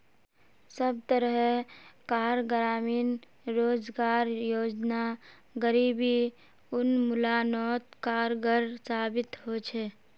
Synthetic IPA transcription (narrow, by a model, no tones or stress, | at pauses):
səb̚t̪əɾəɦkaːɾɡɾaːmiːn | ɾoːd͡ʒɡaːɾjoːd͡ʒna | ɡəɾiːbi | ʊnmʊlanɔːt̪kaːɾɡəɾsaːbɪt̪ɦot͡ʃʰɛ